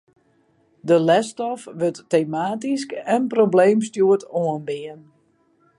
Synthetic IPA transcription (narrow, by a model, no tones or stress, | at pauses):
dəlɛstɔfʋøtːejmaːtiskɛnprobleːms̬tjuətoənbiən